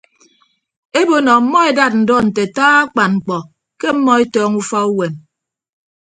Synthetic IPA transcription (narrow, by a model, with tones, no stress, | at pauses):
e˦bo˨nɔ˨m̩˦mɔ˦e˨da˦t̚n̩˨dɔ˦n̩˨te˨taː˦a˦k͡pa˨nŋ͡m̩˨k͡pɔ˨ | ke˦m̩˦mːɔ˦e˦tɔː˦ŋu˦fa˦u˦we˨n